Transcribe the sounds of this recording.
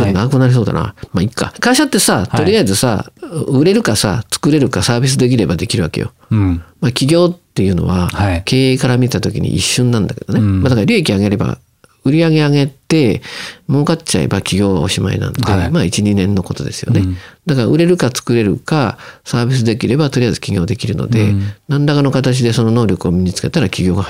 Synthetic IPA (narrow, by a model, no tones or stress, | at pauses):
ennakɯ̟naɾis̬o̞ːd̪a̰na̰maikːa̰kaiɕat̪ːe̞sat̪o̞ɾʲiaizɨsa̰ɯɾe̞ɾɯ̟kasa̰t͡sɨ̥kɯ̟ɾe̞ɾɯ̟kasaːbʲis̬ɨd̪e̞k̬ʲiɾe̞bad̪e̞kʲiɾɯ̟ake̞jo | makʲiɡʲo̞ːt̪ːe̞jɯ̟ːno̞̰βaakʰe̞ːekaɾamʲiet̪at̪o̞kʲḭɲ̟ḭʔḭɕːɨ̃nːãnd̪ake̞d̪onemad̪akaɾʲoekʲiaɡe̞ɾe̞ba̰ | ɯ̟ɾʲiaɡe̞aɡe̞t̪e̞mo̞ːkat͡ɕa̰ḛbakʲiɡʲo̞ːβa̰o̞̰ɕima̰ḭnã̰nod̪emaːit͡ɕiɲinẽ̞nːo̞ko̞t̪o̞d̪e̞sɨjo̞̰ned̪akaɾaɯ̟ɾe̞ɾɯ̟kat͡sɨ̥kɯ̟ɾe̞ɾɯ̟̰kasaːbʲis̬ɨd̪e̞kʲiɾe̞bat̪o̞ɾʲijaizɨ̥kʲiɡʲo̞ːd̪e̞kʲiɾɯ̟no̰d̪e̞nãndakano̞kat̪at͡ɕid̪e̞sono̞no̞ːɾʲokɯo̞mʲiɲ̟it͡sɨ̥ke̞t̪aɾakʲiɡʲo̞ːɡa